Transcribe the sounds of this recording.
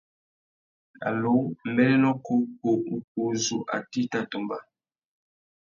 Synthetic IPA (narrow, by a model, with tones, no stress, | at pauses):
a̰˨lo˦mbɛ˦lɛ˦nɔ˦ko˦ko˨u˨ku˨zu˨ʔa̰˨ti˦ta˦to˨mba˦